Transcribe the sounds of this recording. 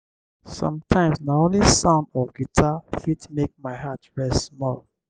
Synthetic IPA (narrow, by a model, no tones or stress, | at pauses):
sɔ̰̃mtʰãɪ̃msnaõnlisãʊ̃ndɔɡitʰafitmek̚maɪhatɹɛstsmɔl